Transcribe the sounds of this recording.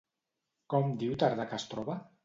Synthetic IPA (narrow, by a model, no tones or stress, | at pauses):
kɔmd̪iwt̪aɾðakast̪ɾɔβa